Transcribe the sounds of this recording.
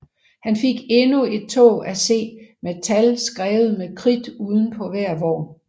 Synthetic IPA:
hænfe̝ɡ̥e̝nue̝d̥̚t͡sʰɔ̰ːæse̝̰ːmet͡sʰælsɡ̥ʁɛːʊð̞̩ˠmekʰʁid̥uːðˠn̩pʰɒ̽ʋæɐ̰ʋɒ̰ː

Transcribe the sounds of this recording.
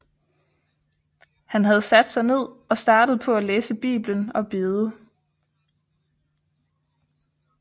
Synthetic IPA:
hænɦæð̞̩ˠsæd̥sɑ̈ɪne̝ð̞̰ˠɒ̽sd̥ɑ̈ːd̥əð̞̩ˠpʰɒ̽æleːsəb̥ḭːb̥lənɒ̽b̥e̝ːð̞ˠə

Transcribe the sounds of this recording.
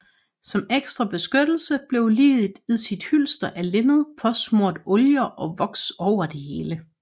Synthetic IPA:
sɒ̽meɡ̥sd̥ʁɐb̥e̝sɡ̥ød̥l̩səb̥le̝ʊlḭːðˠd̥iðˠsid̥hyl̰sd̥ɐʔælenð̞̩ˠpʰɒ̽smoɐ̰d̥ɔ̽ljɐʔɒ̽ʋɒ̽ɡ̥sɒʊ̰ɐd̥e̝he̝ːlə

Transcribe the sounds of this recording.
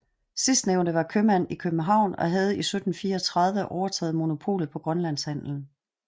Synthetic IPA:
sisd̥neʊnd̥əʋɑ̈kʰømæn̰ikʰøb̥m̩n̩ɦɑ̈ʊ̰nɒ̽ɦæð̞̩ˠisød̥n̩fiːɐɒt͡sʰʁɑ̈ð̞ˠʋəʔɒʊɐt͡sʰɛ̰ːð̩ˠmo̝no̝pʰo̝̰ːlð̩ˠpʰɒ̽ɡ̥ʁɶnlæn̰shæn̰ln̩

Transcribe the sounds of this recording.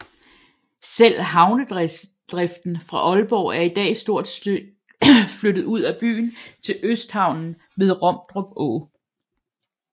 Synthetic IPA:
sel̰ɦɑ̈ʊnəd̥ | d̥ʁɛfd̥n̩fʁɑ̈ʔɒ̽lb̥ɒʊæɐid̥ɛ̰ːsd̥o̝ɐ̰d̥ | flød̥ð̞̩ˠuð̞̰ˠæb̥y̰ːnt͡sʰe̝løsd̥hɑ̈ʊ̰nn̩ | me̝ð̞ˠʁɒ̽m̰d̥ʁɔb̥ɔ̰ː

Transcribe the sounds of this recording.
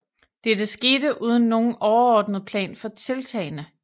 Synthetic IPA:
d̥ed̥esɡ̥e̝ːdəʔuːð̞ˠn̩ːo̝ːn̩ɒʊɐɒːd̥nəð̞̩ˠpʰlɛ̰ːnfɒ̽t͡sʰe̝lt͡sʰɛ̰ɪnə

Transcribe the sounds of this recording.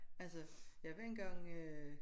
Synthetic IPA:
ælsəjæʋæɐ̰enɡ̥ɑ̈ŋ̰ø

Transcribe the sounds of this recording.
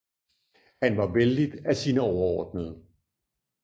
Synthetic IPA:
hænʋɑ̈ʋeldid̥æsiːnəɒʊɐɒːd̥nəð̩ˠ

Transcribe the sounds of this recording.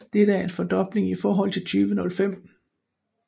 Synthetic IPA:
d̥eɾ̥əæɐe̝nfɒ̽d̥ɒ̽b̥le̝ŋifɒːɦɒ̽l̰t͡sʰe̝lt͡sʰyːʋənɔ̽lfem̰

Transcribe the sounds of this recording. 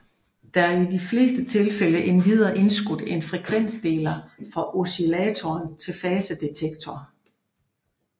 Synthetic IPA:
d̥æ̈æɐidifle̝ːsd̥ət͡sʰe̝lfeləʔe̝nʋið̞ˠɐʔe̝nsɡ̥ud̥enfʁɛkʰʋen̰sd̥e̝̰ːlɐfɒ̽ʔo̝silɛːt͡sʰɒːnt͡sʰe̝lfɛːsəd̥e̝t͡sʰeɡ̥̚t͡sʰɒ

